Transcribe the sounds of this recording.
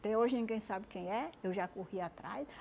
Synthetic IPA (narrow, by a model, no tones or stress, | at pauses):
t̪ẽoʒɪnĩɡẽj̃sabɪkẽj̃ɛewʒakohiat̪ɾa̰js